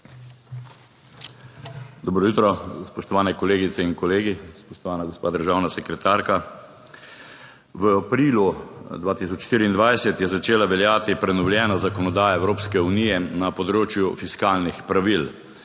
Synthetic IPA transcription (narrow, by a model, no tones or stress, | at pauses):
d̪ɔbɾɔjut̪ɾɔspɔʃt̪ɔʋaːnɛkɔleːɡit̪sɛinkɔleːɡispɔʃt̪ɔʋaːnaɡospaːd̪əɾʒaːwnasɛkɾɛt̪aːɾka | ʋəapɾiːlud̪ʋaːt̪is̬ɔt͡ʃʃt̪iːɾiːnd̪ʋajsɛt̪jɛzat͡ʃeːlaʋɛljaːt̪ipɾɛnɔwlʲjɛːnɔzakɔnɔd̪aːjaɛwɾoːpskɛuniːjɛnapɔd̪ɾoːt͡ʃjufiskaːlnixpɾaʋil